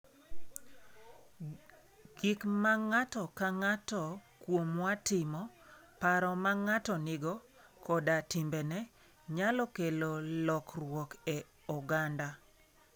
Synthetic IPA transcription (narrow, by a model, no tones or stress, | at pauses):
ɡ̥ɪkmaŋatɔkaŋatɔkwomwatɪmɔpaɾɔmaŋatɔnɪɡɔ | kɔdatimbɛnɛ | ɲalɔkelolɔkrwɔkɛ | ɔɡanda